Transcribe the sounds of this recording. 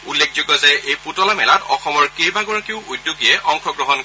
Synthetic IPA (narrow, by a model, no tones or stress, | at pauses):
ulːek̚ʰzoɡɔzɛjejputɔlamɛlatɔ̰xɔmɔɹkejbaɡɔɹɔkeʊujdːjuɡijɛʔɔŋkʰɔɡɹɔɦɔn